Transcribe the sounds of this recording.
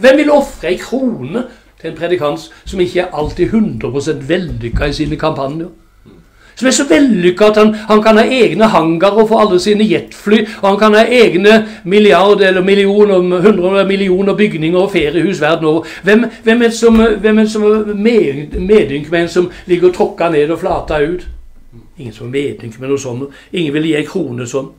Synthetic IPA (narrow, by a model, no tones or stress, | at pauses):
ʋɛmʋɪlɔfʁəɛɪkʰɾuːnə | t̪ʰɪlɛnpʰʁɛd̪ɪkʰɑnt̪ssɔmɪçːəæɾʔɑlt̪iːhʉnd̪ʁəpʁʊsɛnt̪ʋɛllʏkːɑɪsiːnəkʰɑmpʰɑnjəɾ | sɔmæʂɔʋɛllʏkːɑɑt̪hɑnhɑnkʰɑnhɑːʔeːɡnəɦɑŋɡɑɾɔfoːɑlːəsiːnəjɛt̪ːflyːɔhɑnkʰɑnhɑːʔeːɡnəmɪlɪɑɾd̪əɛlːəɾmɪlɪuːnəɦʉnd̪ʁəəmɪlɪuːnəʁbʏɡnɪŋəɾɔfeːɾɪəhʉːsʋæʁd̪n̩oːʋəɾ | ʋɛmʋɛmɛnsɔmʋɛmɛnsɔmæmeːŋmeːd̪ʏŋkmɛæɛɪnsɔmlɪɡəɾt̪ʰɾɔkːɑneːd̪ɔflɑːt̪ɑʉːt̪ | ɪŋːən̩sɔmɛmeːd̪ʏŋkmɛnuːsɔnː | ɪŋːənʋɪljiːæɪkʰɾuːnəsɔnː